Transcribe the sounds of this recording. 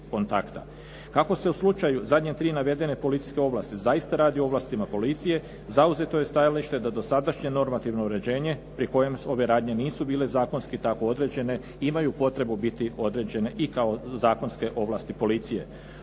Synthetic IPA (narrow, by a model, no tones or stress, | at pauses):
ko̞nt̪akt̪a̰ | kako̞se̞uslut͡ʃajuzad̪ɲet̪ɾiːnaʋe̞d̪e̞ne̞po̞lit̪si̥ske̞o̞ʋlast̪izajist̪aɾaːd̪iooʋlˠast̪imapo̞lit̪sije̞ | zauze̞t̪o̞je̞st̪ajaliʃt̪e̞d̪ad̪o̞sad̪aʃɲe̞no̞ɾmat̪iʋnoɾe̞d͡ʑe̞ːɲe̞pɾiko̞je̞mo̞ʋe̞ɾaːd̪ɲe̞niːsubiːle̞zaːkonskit̪ako̞o̞d̪ɾe̞d͡ʑe̞ne̞ | imajupo̞t̪ɾe̞bubit̪io̞d̪ɾe̞d͡ʑe̞ne̞ʔikao̞zaːko̞nske̞ʔo̞ʋlaːst̪ipo̞lit̪sije̞̰